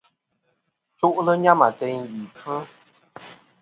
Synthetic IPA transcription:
t͡su˦ʔlə˦ɲa˦ma˨tə˨˦ŋji˨p͡f̩ː˦

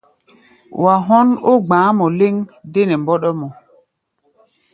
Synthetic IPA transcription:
wa˨ɦɔ˦no˦ɡ͡bãː˨˦mɔ˨le˦ŋde˦nɛ˨mbɔ˦ɗɔ˦mɔ˨

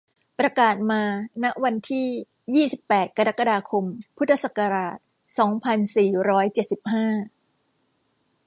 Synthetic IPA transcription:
pɾa˧kaː˨˩t̪̚maː˧na˦˥ʔwa˧nt̪ʰiː˥˩ | jiː˥˩si˨˩pːɛː˨˩t̪̚ka˧ɾa˦˥kːa˧daː˧kʰo˧mpʰu˦˥t̪ʰːa˧sa˨˩kːa˧ɾaː˨˩t̪̚ | sɔː˩˦ŋpʰa˧nsiː˨˩ɾɔː˦˥jt͡ɕe˨˩t̪̚si˨˩p̚haː˥˩

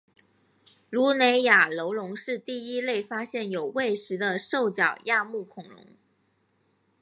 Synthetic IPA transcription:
lu˧˥ne˧˥ɪja˨˩lo˧˥ʊlʊ˧˥ŋʂɻ̩˥˧t̪i˥˩i˥le˥˩ɪfa˥ɕjɛ˥˩njo˨˩ʊwe˥˩ɪʂɻ̩˧˥d̪ə˧ʂo˥˩ʊt͡ɕjɑ˨˩ʊja˥˧mu˥˩kʰʊ˨˩ŋlʊ̰˧˥ŋ

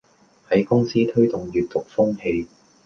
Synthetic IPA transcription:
hɐ˨˥jkʊ˥ŋsiː˥t̪ʰɵ˥ɥt̪ʊ˨˩ŋɥyː˨t̪̚t̪ʊ˨k̚fʊ˥ŋhe˧j

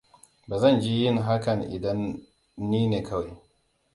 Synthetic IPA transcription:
baː˨zɐ˦˨nd͡ʒi˦jɪ˦˨ŋɦa˦kɐ˨nʔɪ̰˨dɐ˦nː | iː˦neː˨kʰɐ˦wa˨j

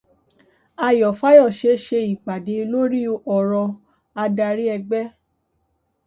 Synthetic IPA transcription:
a˧jɔ˨fa˦jɔ˦˨ʃe˧ʃe˧i˨ɡ͡ba˨de˨˧lo˦ɾi˦ɔ˦˨ɾɔ˧ | a˧da˧ɾi˦ɛ˧ɡ͡bɛ˦

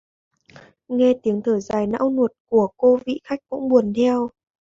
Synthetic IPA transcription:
ŋɛ˧t̪i˨˦əŋt̪ʰəː˧˩zaː˨˩jna̰ː˧˥wnu˨˩ət̚ku˧˩əko˧vḭ˧˨xa˦˥jk̟̚kʊ̰˧˥ŋ͡mɓu˨˩ənt̪ʰɛ˧w

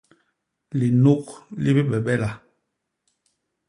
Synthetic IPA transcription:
li˨no˦kli˦bi˦ɓɛ˨ɓɛ˦la˨

